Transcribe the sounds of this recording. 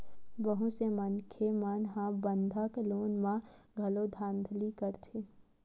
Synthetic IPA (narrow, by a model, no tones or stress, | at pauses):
bəɦusemənkʰemanɦãbə̃nd̪ʱəkloːnmãɡʱɐlod̪ʱãːnd̪ʱlikəɾt̪ʰeː